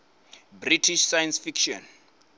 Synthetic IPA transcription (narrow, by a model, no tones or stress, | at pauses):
britʰiʃsajansfikʃɔ̰n